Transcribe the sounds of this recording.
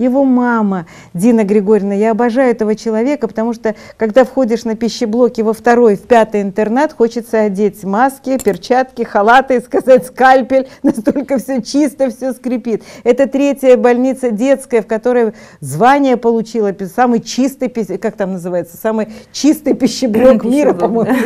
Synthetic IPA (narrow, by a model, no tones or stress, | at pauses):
jɪvo̞mamə | dʲinəɡɾʲɪɡo̞ɾʲɪnəjaɐbɐʐajʊɛt̪əvət͡ɕɪlˠɐvʲe̞kəpət̪ɐmuʂt̪okɐɡd̪afxo̞dʲɪʂnəpʲɪɕːɪblˠo̞kʲɪvəft̪ɐɾo̞jfʲpʲat̪ɨjɪnt̪ɨrnet̪xot͡ɕɪt̪səɐdʲetʲmaskʲɪpʲɪrt͡ɕat̪kʲɪxɐlˠat̪ɨɪskɐzatʲskalʲpʲɪlʲnɐst̪olʲkəfsʲɵt͡ɕist̪əfsʲɵskɾʲɪpʲit̪ɛt̪ət̪ɾʲetʲjəbɐlʲnʲit̪sədʲe̞t̪skəjəfkɐt̪o̞ɾəjəzvanʲɪjəpəlˠʊt͡ɕilˠəpʲsamɨjt͡ɕist̪ɨjpʲɪkak̚t̪amnəzɨvajɪt̪sə̥samɨjt͡ɕist̪ɨjpʲɪɕːɪblˠokmmʲiɾəpɐmo̞jʊ